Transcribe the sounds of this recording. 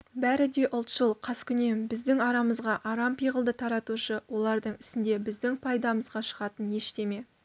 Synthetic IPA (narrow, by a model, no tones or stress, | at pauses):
bæɾɪd̪e̞ʔʊlˠt̪ʃəlˠqʰɑskʲʰʏne̞mbɪzd̪ɪŋɑɾɑməzʁɑʔɑɾɑmpijʁəlˠd̪ət̪ʰɑɾɑt̪uʃəwo̞lˠɑɾd̪əɴɪsɪnd̪e̞bɪzd̪ɪŋpʰɑjd̪ɑməzʁɑʃəʁɑt̪ənje̞ʃt̪e̞me̞